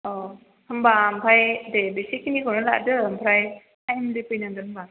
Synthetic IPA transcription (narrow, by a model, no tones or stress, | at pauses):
ɔ | hʰɯmbampʰajdebisikːinikɯnɯla̰ʔdɯmpʰɾaj | ajmdɯpɯjnaŋɡɯɯmba